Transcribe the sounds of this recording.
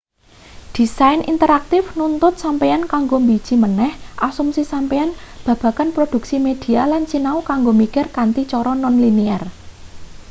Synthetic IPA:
d̪̥i̤sajnḭnt̪əɾak̚t̪ɪfnunt̪ʊt̪̚sampejankaŋɡombi̥ʒ̥i̤mənɛhʔasumsisampeanb̥ä̤b̥a̤kanpɾod̪̥ṳk̚simed̪̥i̤alant͡ʃinaukaŋɡomikɪrkant̪it͡ʃɔɾɔnɔnliniar

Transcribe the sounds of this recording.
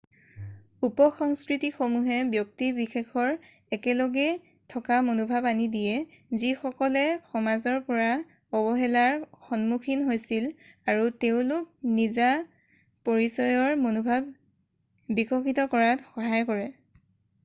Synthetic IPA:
upɔxɔŋskɹitixomuɦɛbjɔk̚tibixexʰɔɹ | ɛkɛlɔɡɛ | tʰɔkamonubʱabanidijɛ | zixɔkɔlɛxɔmazɔɹpɔɹa | ɔbɔɦɛlaɹxɔnmukʰinɦojsilaɹuteʊ̃lʊk̚niza | pɔɹisɔjɔɹmonubʱab | bikʰɔxʰitɔkɔɹatxɔɦajkɔɹɛ

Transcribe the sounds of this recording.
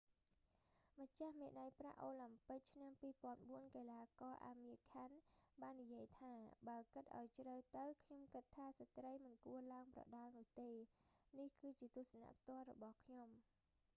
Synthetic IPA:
məc̚t͡ɕahmeːɗajpra̰ʔoːlampɨk̚t͡ɕʰnampiːpŏənɓuənkeːlaːkɑːʔa̰ːmiəkʰanɓaːnːijiəjt̪ʰaːɓaəlkɨt̪̚ʔa̰ɔjt͡ɕrəwt̪ɨwkʰɲomkɨt̪ʰːaːsat̪rəjmɨnkuəlaəŋprɑ̰ɗɑlnʊ̆əht̪eːnihkɨːt͡ɕiət̪uəsəna̰ʔp̚ʰt̪ŏəlrɔ̰ɓɑhkʰɲom

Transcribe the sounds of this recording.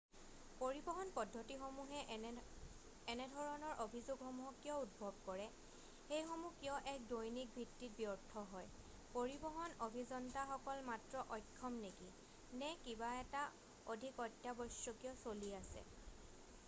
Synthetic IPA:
poɹibɔɦɔnpɔdʱːɔtixomuɦɛ | ɛnɛdʱɔɹɔnɔɹʔobʱizoɡxɔmuɦɔkːiɔut̚bʱɔb̚kɔɹɛ | xejxɔmuhkiɔʔɛk̚dojnik̚bʱitːit̚biɔɹtʰɔɦɔj | poɹibɔɦɔnobʱizɔntaxɔkɔlmatɹɔʔɔjkʰːɔmneki | nɛkibaɛta | odʱikɔtjabɔsjɔkijɔsoliasɛ̰

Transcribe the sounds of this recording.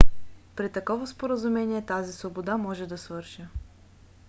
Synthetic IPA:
pɾit̪ɐkɔvɐspoɾəzumɛniɛt̪azisvobod̪amɔʒɛd̪ɐsvɤɾʃə

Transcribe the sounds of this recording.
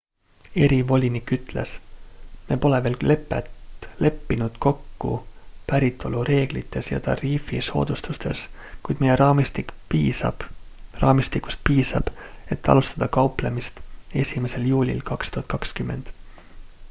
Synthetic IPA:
e̞ɾivo̞lʲinikːyt̪ˑle̞̰sme̞po̞leve̞ːlle̞pˑːḛt̪le̞pːinud̪̥ko̞kːṵpæɾit̪ːˑo̞luɾe̞ːɡ̥lḭt̪ːˑe̞sjɑ̰t̪ɑ̰riːfiso̞̰ːd̪̥ust̪ust̪e̞̰skujd̪̥mejeɾɑːmist̪ikiːsɑ̥rɑ̰ːmist̪ikːu̥st̪̚piːsɑ̰b̥e̞t̪ːɑ̰lust̪ɑd̪̥ɑkɑuplemist̪e̞sʲime̞se̞ljuːlʲḭlkɑkst̪uhɑt̪̚ːkɑkskymːe̞nd̪̥

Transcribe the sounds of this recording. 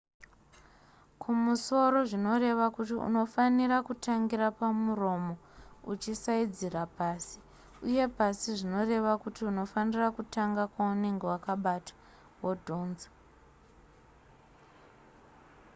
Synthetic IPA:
kʰumuso̞ro̞ʐino̞re̞ʋakutiṵno̞faniɾakutaŋɡirapamuro̞mo̞ut͡ʃisaid͡zirapaːsi | uje̞pasiʐino̞re̞ʋakutiuno̞fanirakutaŋɡakwaune̞ŋɡe̞wakaɓatḁ | wodʱonza

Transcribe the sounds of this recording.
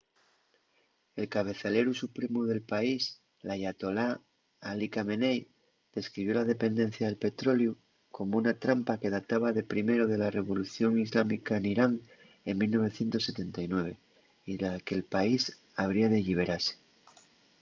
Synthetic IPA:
e̞lkaβ̞e̞θale̞ɾusupɾe̞muðe̞lpais | laʝat̪o̞la | alikame̞nej | d̪̥e̞skɾiβ̞jo̞laðe̞pe̞nd̪ẽ̞n̟θjaðe̞lpe̞t̪ɾo̞lju | ko̞mounat̪ɾampake̞ð̞at̪aβ̞aðe̞pɾime̞ɾoðe̞lare̞β̞o̞luθjo̞ŋizlamikaeniɾaŋ | eŋmilno̞β̞e̞θje̞nt̪o̞sːe̞t̪e̞nt̪ajnwe̞β̞e̞ | iake̞lpais | aβ̞ɾiaðe̞ʎiβ̞e̞ɾase̥

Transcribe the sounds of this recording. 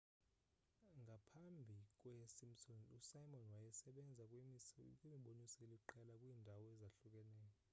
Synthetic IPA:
ŋɡʱapʰambʱikʼwɛsimsɔnusajmɔnwajɛsɛɓɛnd͡zʱakʼwimiɓonisɛeliǃɛlakʼwiːndʱawɔɛzaɬukʼɛnɛːjɔ

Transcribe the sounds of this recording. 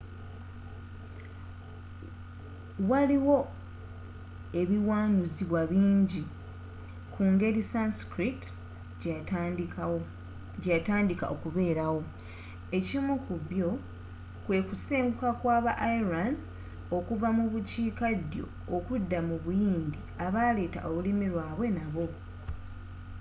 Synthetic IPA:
waliwo̞ | e̞βiwaːnuziβwaβiːɲɟi | kʰuːŋɡe̞ɾisanskɾit | ɟataːndika̰ʔokuβe̞ːɾawo̞ | e̞cimukuβjo̞ | kwe̞ːkuseːŋɡukakwaːβaʔaiɾan | o̞kuvamuβuciːkadjo̞̰ːkudːamuβujiːndi | aβale̞ːta̰ʔo̞βulimiɾwaːβwe̞naβo̞

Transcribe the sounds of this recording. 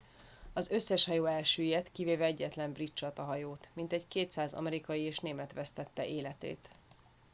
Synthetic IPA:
ɒzø̞sːɛʃhɒjoːɛlʃøːjet̪kiveːvɛɛɟːɛt̪lɛmbrit͡ʃːɒt̪ɒɦɒjoːt̪mint̪ɛɟkeːt̪saːzɒ̰mɛɾikɒjieːʃneːmɛt̪ʋɛst̪ɛt̪ːɛʔeːlɛt̪ḛːt̪

